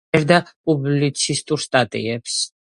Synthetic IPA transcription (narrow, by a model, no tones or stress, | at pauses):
ɛɾd̪apʼublit̪sʰist̪ʼuɾst̪ʼat̪ʼḭɛps